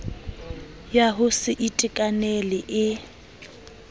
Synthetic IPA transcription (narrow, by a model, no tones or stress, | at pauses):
jaɦʊsɪʔitʼɪkʼanɛlɪʔɪ